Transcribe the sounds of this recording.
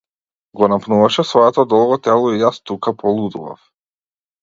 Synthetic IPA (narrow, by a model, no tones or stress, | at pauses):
ɡɔnapnuvaʃɛsvɔɛt̪ɔd̪ɔlˠɡɔt̪ɛlˠɔijast̪ukapɔlˠud̪uva̰f